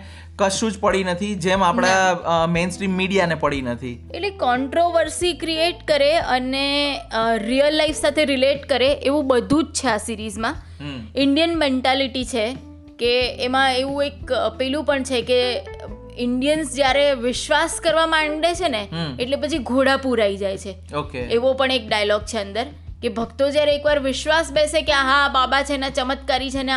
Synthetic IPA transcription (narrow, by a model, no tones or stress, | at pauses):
kəʃũd͡ʒpəɽinət̪ʰid͡ʒɛmapɽ̃amensʈɾimːiɽijanepəɭinət̪ʰḭeʈlekɔɳʈɾoʋəɾsikɾieʈkəɾeəne | ɾijəlːaifsat̪ʰeɾɪleʈkəɾeʔeʋũbəd̪ʱũd͡ʒt͡ʃʰeasiɾizmã | ɪɳɖijənmeɳʈaliʈit͡ʃʰe | keːmãeʋũekpɛlũpəɳt͡ʃʰeke | ɪɳɖijənsd͡ʒjaɾeʋɪʃʋaskəɾʋamãɳɖet͡ʃʰeneeʈlepət͡ʃʰiɡʱoɽapuɾaid͡ʒajt͡ʃʰe | okeeʋopəɳek̚ɖajəlɔɡ̚t͡ʃʰeənd̪əɾ | kebʱəkt̪od͡ʒjaɾeːkʋaɾʋɪʃʋasbesekeaɦãbabat͡ʃʰeenãt͡ʃəmət̪kaɾit͡ʃʰene